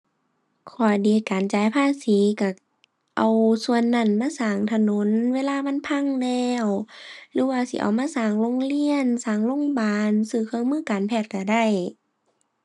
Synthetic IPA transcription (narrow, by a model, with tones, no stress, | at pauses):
kʰɔː˨˩diː˨˦kaː˨nt͡ɕaː˨˦jpʰaː˧˥˨siː˨˦ka˧˩ | ʔa˨wsu˧ənːa˧˩˨nmaː˧˥˨saː˨˩ŋt̪ʰa˧no˧˦nweː˧˥˨laː˧˨ma˧˥˨npʰa˧˥˨ŋlɛː˧wlɯː˨˧˦waː˧˨sḭ˧˦ʔa̰˨˩wmaː˧˥˨saː˨˩ŋlo˧˥˨ŋli˧˥˨ənsaː˨˩ŋlo˧˥˨ŋbaː˨˧nsɯː˧˩kʰɯ˧˨ŋmɯː˧˥˨kaː˨npʰɛː˧˩t̪̚ka˧˩da˧˩j